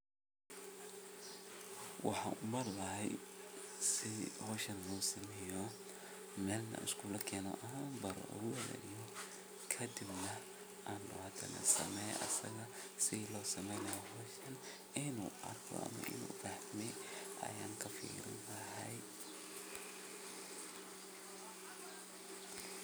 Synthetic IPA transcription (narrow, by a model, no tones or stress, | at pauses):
wɑħɑ̰ːʔʊmɐɾlɐɦɛj | sɪhɔːʃɐnluːsɐmɛːjɔ | mɛːlnɐ̰ʔɪ̰skʰulɐkʰɛːnɔ̰ʔɐabɐɾɔ̰ɡʊwɛlɛ̰nijɔ | kʰɐd̪ɪbnɐ | ʔaːnːɔhɐd̪ʰɐnɐ̰sɐmɛj̰ʔɐ̰sɐ̰ɣɐ | sɪlɔːsɐmɛjnɐjɔɦɔːʃɐn | ɪnuːʔɐ̰rkʰɔ̰ʔɐ̰mɐ̰ʔɪ̰nṵːfɐħmɛjʔɐ̰jaːŋkʰɐfḭːɾɪ̰nlɐɦɐj